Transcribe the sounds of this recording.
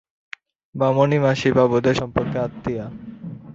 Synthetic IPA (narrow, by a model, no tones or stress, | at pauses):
bamonimaʃibabod̪eʃɔmpɔɾkaːt̪ːija